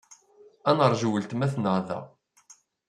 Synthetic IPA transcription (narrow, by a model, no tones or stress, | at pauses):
ænəɾˤʒuwəlt̪mæθnəʁðæ̰